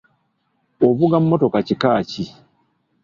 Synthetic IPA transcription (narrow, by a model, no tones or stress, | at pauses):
o̞βuɡamːo̞to̞kacikaːci